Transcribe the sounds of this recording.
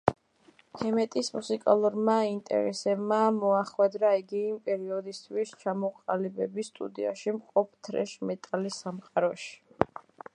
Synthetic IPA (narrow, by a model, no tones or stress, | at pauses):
hɛmɛt̪ʼismusikʼa̰lˠuɾmaint̪ʼɛ̰ɾɛ̰sɛbmamɔaχwɛd̪ɾaiɡiːmpʼɛɾiɔd̪ist̪ʰwist͡ʃʰamɔqʼalibɛbist̪ʼṵd̪ia̰ʃimqʼɔp̚ʰt̪ʰɾɛ̰ʃmɛt̪ʼalisːamqʼaɾɔʃi̥